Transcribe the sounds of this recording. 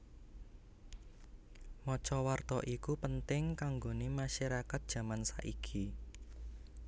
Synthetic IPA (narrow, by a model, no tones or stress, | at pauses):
mɔt͡ʃɔwart̪ɔʔikupənt̪ɪŋkaŋɡonemaʃaɾakat̪̚d̥ʒ̥ä̤mansa̰ʔikʰi